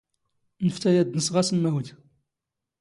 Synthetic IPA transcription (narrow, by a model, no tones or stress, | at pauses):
nəft̪æjæd̪nəsʁæsəmːæwd